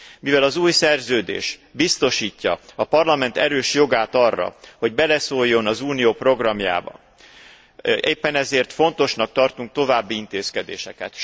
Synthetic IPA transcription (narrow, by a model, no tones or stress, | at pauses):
mivɛlɒzuːjsɛrzøːd̪ḛːʃbist̪o̞ʃiːcːɒɒpɒrlɒmɛnt̪ɛɾøːʃjo̞ɡaːt̪ɒrːɒ̰ho̞ɟbɛlɛsoːjːo̞nɒzuːnijoːpro̞ɡrɒmja̰ːbɒ̰ | eːpːɛnɛzeːrt̪fo̞nt̪o̞ʃnɒk̚t̪ɒrt̪uŋk̚t̪o̞vaːbːiint̪eːskɛd̪eːʃɛkɛ̰t̪